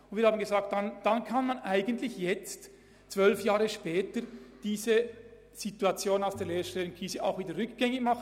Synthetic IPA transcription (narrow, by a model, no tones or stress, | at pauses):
ʊntv̥iːɾhaːbmn̩ɡezaːk̚t̚d̥and̥ankʰanmanʔaɪɡəntlɪçjɛt͡st | t͡sv̥œlfjaːʁəʃpɛːtəd̥iːzə | z̥ituat͡sjoːnaʊsd̥eːɐleːʃtɛːʊŋkʰiːsəʔa̰ʊxviːdəɾʁʏkɡ̥ɛŋɪçmɑχ